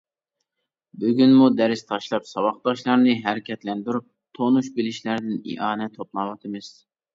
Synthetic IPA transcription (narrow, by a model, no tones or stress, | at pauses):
byɡʲynmud̪æɾɪst̪ʰɑʃlˠɑpsɑwɑχd̪ɑʃlˠɑɾnɨɦæɾɪkʲɛt̪lɛnd̪yɾup̚t̪ʰonuʃbɪlɪʃlæɾd̪ɪnḭʔɑːnɛt̪ʰːoplˠɑwɑt̪ʰɨmɨz̥